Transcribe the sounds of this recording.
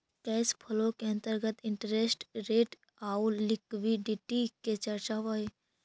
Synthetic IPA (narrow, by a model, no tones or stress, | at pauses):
kɛːspʰəlõkeə̃nt̪əɾɡət̪ɪɳʈɾeːsʈɾeːʈ | aulɪkʋiɖiʈiket͡ʃəɾt͡ʃaʋaj